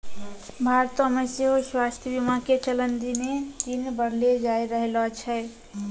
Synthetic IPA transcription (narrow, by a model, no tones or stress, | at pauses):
bʱaɾt̪ɔmeseɦoswast̪ʰjəbimaket͡ʃələnd̪inet̪inbəɾled͡ʒaejɾəɦelɔt͡ʃʰə